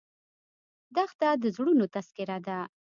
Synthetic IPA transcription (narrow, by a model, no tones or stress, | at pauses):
d̪axt̪ad̪əzɽunot̪askɪɾad̪a